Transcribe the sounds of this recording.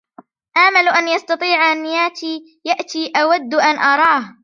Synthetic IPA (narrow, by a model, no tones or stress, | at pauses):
ʔaːmalʔanjɑst̪ɑt̪ˤiːʕanɪjaːt̪iː | jaʔt̪iːʔawad̪ːʔanʔɑɾˤɑːh